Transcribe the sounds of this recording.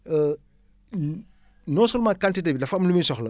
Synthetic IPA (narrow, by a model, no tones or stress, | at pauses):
ə | nɔːsolmakantitebidɐfamlumisɔxlɐ